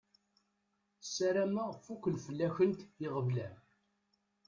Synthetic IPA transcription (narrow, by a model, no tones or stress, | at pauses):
sæɾæmæʁfukʷːəlfəlːæçənt̪jɪʁəvlæ